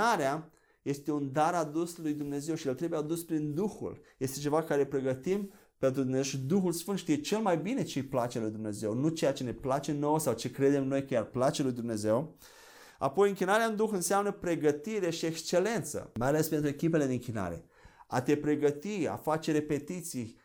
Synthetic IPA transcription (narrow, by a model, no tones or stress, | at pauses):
aɾea | je̞st̪e̞und̪aɾad̪uslujd̪umne̞ze̞wʃijelt̪ɾebujead̪uspɾind̪uxṵlje̞st̪e̞t͡ʃe̞vakaɾepɾe̞ɡət̪im | pe̞nt̪ɾud̪umnezewʃid̪uxulsfɨnʃit̪ijet͡ʃe̞lmajbine̞t͡ʃejplat͡ʃelujd̪umne̞ze̞wnut͡ʃe̞jat͡ʃe̞ne̞plat͡ʃeno̞wsawt͡ʃe̞kɾe̞d̪e̞mno̞jkəjarplat͡ʃe̞lujd̪umne̞ze̞w | a̰po̞jɨŋkʲinaɾeaɨnd̪uxɨnseamnəpɾe̞ɡət̪iɾe̞ʃiekst͡ʃe̞le̞nt̪sə̰majalespent̪ɾuekʲip̬ele̞d̪eɨŋkʲina̰ɾe̞̰ | a̰t̪e̞pɾe̞ɡət̪ia̰fat͡ʃe̞ɾe̞pe̞t̪it̪sij